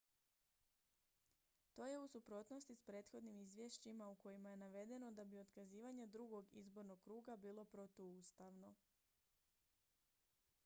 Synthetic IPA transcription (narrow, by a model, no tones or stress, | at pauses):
t̪o̞ːje̞usupɾo̞t̪no̞st̪ispɾe̞ːt̪xo̞d̪nimizʋjeʃt͡ɕimauko̞jimaje̞naʋe̞d̪e̞no̞d̪abio̞t̪kaziːʋaɲe̞d̪ɾuɡo̞ɡḭzbo̞ɾno̞ɡ̚kɾuːɡabiːlˠo̞pɾo̞t̪oust̪aʋno̞